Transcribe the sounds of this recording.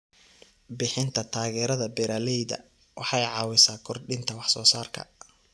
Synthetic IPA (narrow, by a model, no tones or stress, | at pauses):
bɪħɪnt̪ʰɐt̪ʰaːɣɛːɾɐðɐbɛɾaːlɛjðɐ̰ | wʔɑħɑjʕɑːwɪsaːkʰɔrɖɪnt̪ʰɐwɑħsɔːsaːrkʰɐ̰